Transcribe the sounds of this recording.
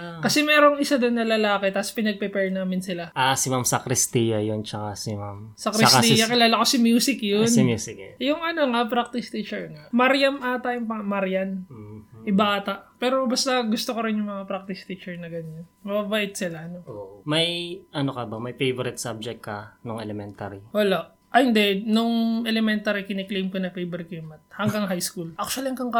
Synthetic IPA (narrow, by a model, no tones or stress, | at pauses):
akɐsɛmɛːɾo̞ŋʔɪsad̪onːɐlɐlaːkɛt̪ɐspɪnɐɡ̚pɛpɛɹnaːmɪnsɪlaʔasɪmamsɐkɾɪst̪ijɐjont͡ʃɐkasɪmamsɐkɾɪsat̪ijɐkɪlaːlɐko̞sɐmjuːsɪkjonmjusɪkjʊŋʔɐno̞ŋɐpɾak̚t̪ɪst̪it͡ʃɛɹŋaʔmɐɾjɐmʔaːt̪ɐjʊŋpɐmɐɾjɐnʔɪbaaːt̪ɐʔpɛːɾobɐst̪ɐɡʊst̪okoɾɪnjʊŋmɐŋapɾak̚t̪ɪst̪it͡ʃɛɹnɐɡɐɲːɐnmɐbabaːʔɪt̪̚sɪlaɐnoʔomɐjʔɐnokɐbɐmɐjfejvoɾɪt̪̚sab̚d͡ʒɛk̚tkːɐnoŋɛlɛmɛnt̪a̰ɾiwɐlaʔ | ʔɐhɪnd̪ɛnʊŋʔɛlɛmɛnt̪aɾikɪnɛklejmkonɐfejbɛɾkjʊmɐt̪̚hɐŋɡɐŋɦajskulʔak̚ʃwɐlɪŋkɐŋka